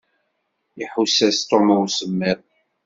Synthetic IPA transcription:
iħusæst̪oməwsəmːɪɾˤ

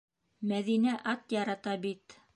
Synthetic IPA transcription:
mæðinæʔɑt̪jɑɾɑt̪ɑbit̪

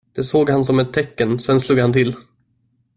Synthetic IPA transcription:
d̪̥ɛsoːɡhans̬ɔmɛt̪ʰːɛkːənsɛnsluːɡhant̪ʰɪl

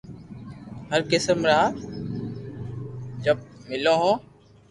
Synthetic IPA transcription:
həɾkɪsəmɾaː | d͡ʒəb̚mɪlõːɦõː

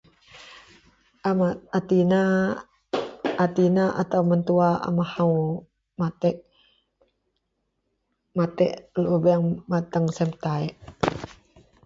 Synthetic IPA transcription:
mat̪ina | at̪inaʔa̰t̪awmənt̪uaa̰mahaw | mat̪ɛʔ | mat̪ɛʔlʔubɛŋmat̪əŋsɛmt̪aɛʔ

